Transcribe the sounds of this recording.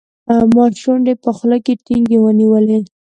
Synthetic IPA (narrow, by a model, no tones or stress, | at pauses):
mɑʃunɖepəxləkeʈiŋɡewəniwəle